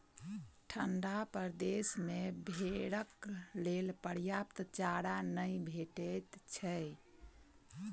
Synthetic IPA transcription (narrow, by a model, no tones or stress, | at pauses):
ʈʰəɳɖapəɾd̪esmebʱeɽəklelpəɾjapt̪t͡ʃaɽanəjbʱeʈɛt̪t͡ʃʰə